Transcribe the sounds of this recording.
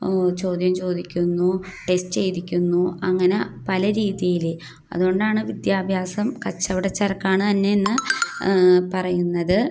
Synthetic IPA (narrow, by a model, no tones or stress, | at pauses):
t͡ɕo̞ːd̪jɐmt͡ɕo̞ːd̪ikʲːunːuʈe̞sʈɨt͡ɕe̞jðikʲːunːuɐŋːɐnepɐlɐɾiːðjɐjil | ɐ̰ðuo̞ɳɖaːɳɨʋid̪jaːbʱjaːsɐmkɐt͡ɕːɐʋiɽet͡ɕːɐɾɐkːaːɳɨt̪ɐnːe̞enːɨ | pɐrɐjunːɐðɨ